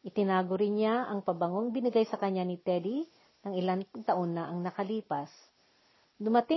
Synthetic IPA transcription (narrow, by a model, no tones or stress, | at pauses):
ʔɪt̪ɪnaːɡoɾɪnɲaɐŋpɐbɐŋoŋbɪnɪɡajsɐkɐɲːanɪt̪ɛd̪i | nɐŋɪlant̪ɐʔonːɐʔɐŋnɐkɐliːpɐs | d̪ʊmɐt̪ɪ